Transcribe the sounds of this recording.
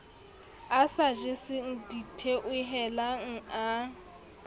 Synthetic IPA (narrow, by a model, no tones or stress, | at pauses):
asaʒɪsɪŋ̩ditʰeʔʊɦɛlaŋ̩a